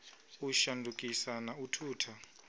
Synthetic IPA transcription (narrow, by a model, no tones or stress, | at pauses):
uʃandʱukʼisanautʰuːtʰa